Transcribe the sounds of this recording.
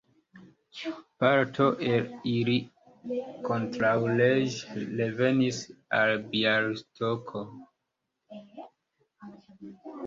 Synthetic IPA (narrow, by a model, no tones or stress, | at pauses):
t͡ʃpaɾtʰo̞ʔelili | ko̞ntɾawled͡ʒleve̞nisalbialstʰokʰo